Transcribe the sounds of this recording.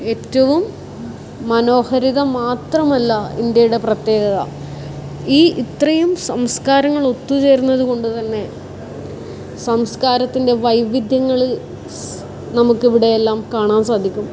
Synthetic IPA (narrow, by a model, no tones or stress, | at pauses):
e̞ːtːɐʋumː | ɐno̞ːhɐɾiðɐmaːt̪rɐmɐlːɐind̪jɐjuɽe̞prɐt̪je̞ːɡɐðɐ̰ | iːʔit̪rɐjumsɐmskaːɾɐŋːɐɭot̪ːut͡ɕe̞ːɾunːɐðuko̞ɳɖut̪ɐnːe̞ | sɐmskaːɾɐt̪ːinde̞ʋɐjʋid̪ʱjɐŋːɐɭ | nɐmukːiʋiɽe̞jelːaːmkaːɳaːnsaːd̪ʱikʲːum